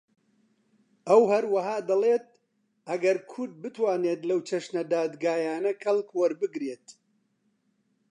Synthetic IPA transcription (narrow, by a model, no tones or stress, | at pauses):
ʔɐwhɐɾwɐɦaːd̪ɐleːt̪̚ | ʔɐɡɐɾkʰʊɾd̪̚bɨt̪waːneːt̪lɐwt͡ʃʰɐʃnɐd̪aːd̪ɡaːjaːnɐkʰɐlˠkwɐɾbɨɡɾeːt̪